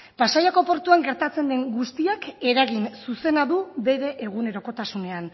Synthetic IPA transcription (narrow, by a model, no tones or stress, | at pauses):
pasajako̞po̞ɾt̪uaŋɡe̞ɾt̪at͡se̞nd̪e̞ŋɡust̪iake̞ɾaɣinsuse̞naðuβe̞ɾe̞ʔeɣ̞une̞ɾo̞ko̞t̪asune̞an